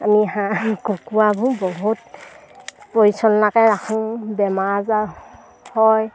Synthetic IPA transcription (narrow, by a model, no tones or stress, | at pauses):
amiɦakukuabʱubɔɦut̚ | pɔisɔnlakɛɹakʰuŋbɛmaza | hɔj